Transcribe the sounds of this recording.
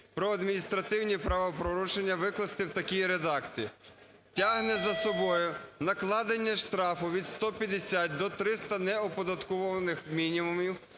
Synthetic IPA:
pɾɔɐd̪mʲinʲist̪ɾɐt̪ɪwnʲipɾɑʋɔpɾɔɾuʃenʲːɐʋɪklˠɐst̪ɪwt̪ɐkʲijiɾed̪ɑkt͡sʲiji | tʲaɦnɛzɐsɔbɔjʊnɐklˠɑd̪enʲːɐʃt̪ɾɑfʊʋʲid̪st̪ɔpʲjɐd̪esʲat̪̚ʲd̪ɔt̪ɾɪst̪ɐnɛɔpɔd̪ɐt̪kɔʋɔʋɐnɪxmʲinʲimumʲiw

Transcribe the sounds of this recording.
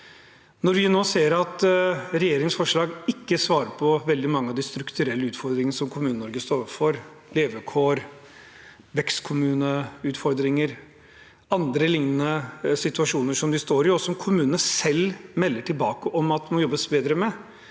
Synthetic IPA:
nɔɾʋɪnoːseːɾɑt̪ɾɛjeːɾɪŋsfɔʂɭɑːɡɪkːəsʋɑːɾəɾpʰɔʋɛld̪ɪmɑŋːəɑʋd̪ɪst̪ɾʉkt̪ʉɾɛlːəʉːt̪fɔɾd̪ɾɪŋənəsɔmkʰʊmʉːnənɔɾɡəst̪oːɾfɔɾ | leːʋəkʰoːɾ | ʋɛkst̪kʰʊmʉːnəʉːt̪fɔɾd̪ɾɪŋəɾ | ɑnd̪ɾəlɪŋnənəsɪt̪ʉɑʂuːnəʂɔmd̪ɪst̪oːɾɪɔsɔmkʰʊmʉːnənəsɛlmɛlːəʈʰɪlbɑːkəʔɔmɑt̪̚mɔjɔbːəsbeːd̪ɾəmɛ

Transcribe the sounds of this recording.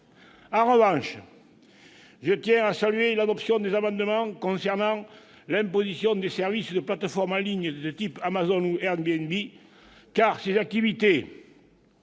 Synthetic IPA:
ɑ̃ʁəvɑ̃ʃ | ʒət̪jɛ̃asalyelad̪ɔpsjɔ̃d̪ezamɑ̃d̪əmɑ̃kɔ̃sɛʁnɑ̃ | lɛ̃mpozisjɔ̃d̪esɛʁvisd̪əplat̪əfɔʁmɑ̃liɲəd̪ət̪ipamazɔnuɛʁnbeɛnbi | kaʁsezak̚t̪ivit̪e

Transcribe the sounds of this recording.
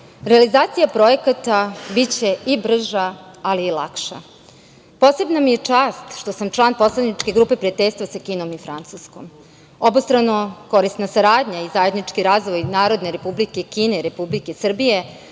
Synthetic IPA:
ɾealizaːt̪sijapɾo̞e̞kat̪abit͡ɕe̞ibr̩ʒaːliːla̰kʃa̰ | po̞ːse̞bnamije̞t͡ʂaːst̪ʃt̪o̞samt͡ʃlˠaːnpo̞slˠad̪nit͡ʃke̞ɡɾuːpe̞pɾiat̪eʎʲst̪ʋasakiːno̞mifɾant̪susko̞̰m | o̞bost̪ɾanoko̞ɾist̪nasaɾaːd̪ɲaizaje̞d̪nit͡ʃkiɾaːzʋo̞jnaːɾo̞d̪ne̞ɾe̞publikekiːne̞iɾe̞publikesr̩bije̞

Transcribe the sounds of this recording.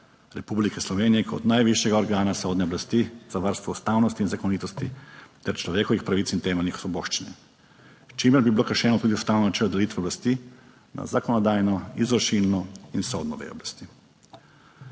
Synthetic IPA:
ɾepublikeslˠoʋeːnijekʰo̰d̪naːjʋiʃjeɡaoɾɡaːnasod̪neoblast̪izaʋaɾst̪ʋoust̪aːwnost̪iːnzakonit̪ost̪it̪ɛɾt͡ʃloʋjekoʋixpɾaʋit̪sint̪eːmelʲnixsubo̞ʃt͡ʃine | t͡ʃimjeɾbibilokaʃeːnot̪uːt̪iost̪aːwnonat͡ʃelod̪eliːt̪ʋeblast̪i | na̰zakonod̪aːjnoizɾoʃilnoinsod̪noʋḛjo̰blast̪i

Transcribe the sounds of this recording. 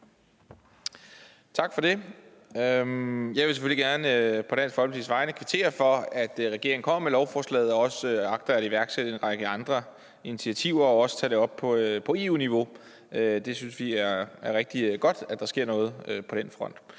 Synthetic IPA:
t͡sʰɑ̈ɡ̥fɒ̽d̥e̝ | ømjɑ̈ɪʋe̝sefø̰l̰iɡ̥æɐnəpʰɒ̥̽æn̰sfɒlə̥sḭsʋɑ̈ɪnəkʰʋet͡sʰe̝̰ːɐfɒ̽æd̥ʁɛɡ̥e̝ɐ̰eŋ̩kʰɒ̽m̰ɐmelɒʊfɒːslɛ̰ːð̩ˠɒ̽ɒ̽søɑ̈ɡ̥̚d̥ɐæiʋæɐɡ̥seɾ̥əe̝nʁɑ̈ɡ̥əɑ̈nd̥ʁɐ | init͡sʰiæt͡sʰiʊ̰ɐɒ̽ɒ̽sə̥t͡sʰɛ̰ːd̥e̝ɒ̽b̥̚pʰɒ̽pʰɒ̽e̝ːuːniʋo̝ | ød̥e̝synsʋiæɐæɐʁɛɡ̥̚d̥iɡ̥ɒ̽d̥æd̥ɑsɡ̥e̝ɐ̰nɔ̽ːð̞̩ˠøpʰɒ̽d̥enfʁɒ̽n̰d̥

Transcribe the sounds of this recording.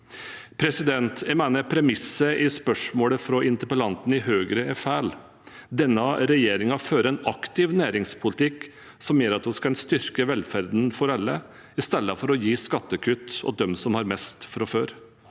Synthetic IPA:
pʰɾɛsɪd̪ɛnt̪ʰɛmæːnəpʰɾɛmɪsːəʔɪspœʂmoːɽəfɾɔʔɪnt̪əɾpəlɑnt̪n̩ɪhøːɡɾəɛfæːl | d̪ɛnːɑɾɛjeːɾɪŋɑføːɾəɛnɑkt̪ɪʋnæːɾɪŋspʰʊlɪt̪ʰɪkː | sɔmjøːɾɑt̪hʊskɑɛnst̪ʏɾkəʋɛlfæɾd̪n̩fɔɾɑlːə | ɪst̪ɛlːəfɔɾɔjiːskɑt̪ːəkʰʉt̪ːɔ̰d̪ɛmsɔmhɑɾmɛst̪fɔɾɔføːɾ

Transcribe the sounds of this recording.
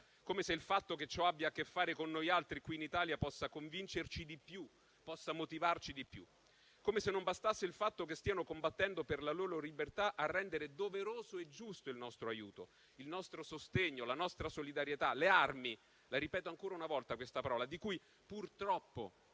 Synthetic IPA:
komeseilfat̪ːoket͡ʃːɔabːjakːefːaːɾekonːojalt̪ɾikwiːnit̪aːljapɔsːakoɱvint͡ʃert͡ʃid̪ipju | pɔsːamot̪ivart͡ʃid̪ipjṵ | komesenːombast̪asːeilfat̪ːok̬est̪iːanokombat̪ːɛnd̪operlaloːɾolibert̪aʔarːɛnd̪eɾed̪oveɾoːzoed͡ʒːust̪oilnɔst̪ɾoajuːt̪o | ilnɔst̪ɾosost̪eɲːolanɔst̪ɾasolid̪aɾjet̪alearmi | laɾipɛːt̪oaŋkoːɾaunavɔlt̪akwest̪apaɾɔːlad̪ikuj | purt̪ɾɔpːo̰

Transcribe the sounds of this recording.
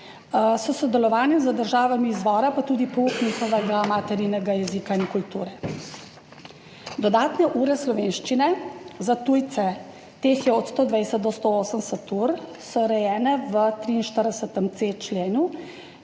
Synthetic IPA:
sɔsɔd̪ɛlɔʋaːnjɛmzəd̪əɾʒaːʋamiːzʋɔːɾapat̪uːd̪ipɔuːknixɔʋɛɡamat̪ɛɾiːnɛɡajɛzikainkult̪uːɾɛ | d̪ɔd̪aːt̪nɛʔuːɾɛslɔʋeːnʃt͡ʃinɛzat̪uːjt̪sɛ | t̪eːxjɛɔt̪st̪oːd̪ʋɛjsət̪̚d̪ɔst̪ooːsəmsət̪uːɾ | sɔɾɛjɛːnɛʋət̪ɾiːnʃt̪əɾd̪ɛsət̪əmt̪seːt͡ʃleːnu

